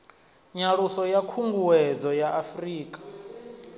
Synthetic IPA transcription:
ɲaɺusɔjakʰuŋɡuwɛd͡zɔjaʔafriːkʼḁ

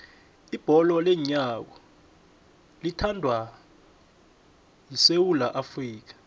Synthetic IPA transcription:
ib̥ʱɔlɔlɛɲak̬ɔ | litʰandʱwa | jisewulaʔafriːk̬ḁ

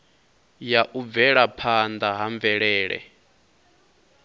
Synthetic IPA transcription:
jaʔub̪vɛɺapʰand̪aɦaɱvɛɺɛːɺɛ̰

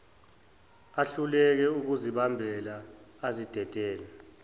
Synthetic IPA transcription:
aɬulɛk̬ɛuk̬uziɓambʱɛlaːzid̥ʱɛd̥ʱɛːlɛ

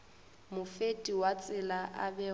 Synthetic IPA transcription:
mʊfetʼiwat͡sʼɪlaʔabɛ

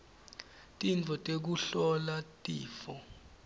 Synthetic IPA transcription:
tʼint͡fʰɔtʼek̬uɬɔlatʼiːfɔ

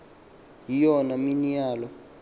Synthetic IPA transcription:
jijɔnaminijaːlɔ

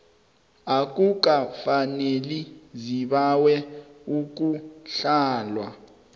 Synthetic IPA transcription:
ak̬ʼuk̬ʼafaneliziɓawɛuk̬ʼuɬaːlwa

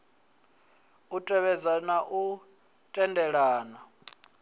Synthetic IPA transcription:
utʼɛβɛd͡zanaʔu | tʼɛndʱɛɺaːna

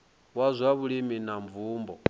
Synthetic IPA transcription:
wazʷaβuɺiminaɱvuːmbɔ

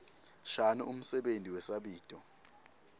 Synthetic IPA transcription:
ʃanuum̩sɛɓentʼiwɛsaɓiːtʼɔ

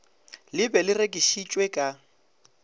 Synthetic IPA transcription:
lɪbɛlɪrekʼiʃit͡ʃʼwɛkʼa

